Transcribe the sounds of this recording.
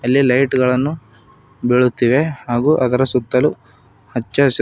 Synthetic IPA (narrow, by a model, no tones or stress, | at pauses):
ɐlːilɐjʈɡɐɭɐnːu | beɭut̪ːiːʋe̞haːɡuːʔɐd̪ɐɾɐsut̪ːɐlu | hɐt͡ʃːɐs